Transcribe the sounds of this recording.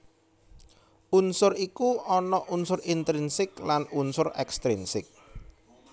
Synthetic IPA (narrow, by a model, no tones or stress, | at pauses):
ʔunsʊɾikuɔnɔʔunsʊrint̪ɾinsɪk̚lanunsʊrɛkst̪ɾinsɪk̚